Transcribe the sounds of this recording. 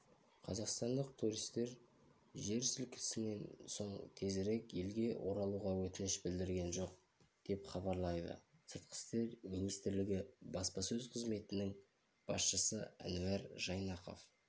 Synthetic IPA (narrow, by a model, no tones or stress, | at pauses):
qʰɑzɑqst̪ɑnd̪əq̚t̪ʰuɾijst̪e̞ɾ | ʒe̞ɾsɪlkʲɪ̥sɪne̞nso̞ɴt̪ʰe̞zɾe̞kje̞lɡʲe̞wʔo̞ɾɑlˠuʁɑwɵt̪ɪnɪʃbɪld̪ɪɾɡʲe̞nʒo̞q̚ | d̪̥e̞pχɑβɑɾlˠɑjd̪ə̰sət̪̚qʰə̥st̪e̞ɾminijst̪ɪɾlɪɡʲɪbɑspɑsɵzqʰəzme̞t̪ɪnɪŋ | b̥ɑ̰sʃəsəæ̰næɾʒɑjnɑqo̞̰f